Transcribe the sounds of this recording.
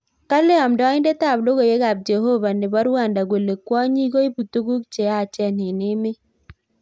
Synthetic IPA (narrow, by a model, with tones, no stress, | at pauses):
ka˦lɪ˦ɔ˨mdɔ˦ɪ˦nde˦ta˦˨blo˦ɡo˨je˦ɡa˨b̚d͡ʒe˨ɦo˦ba˨nɪ˨ba˦ɾwa˦˨nda˨ɡwe˨le˨kwɔ˦ɲi˦ɡo˦i˦bu˨t̪u˦ɡu˦k̚t͡ʃe˨a˦˨t͡ʃɛ˦nɪ˨nɪ˦mɪ˦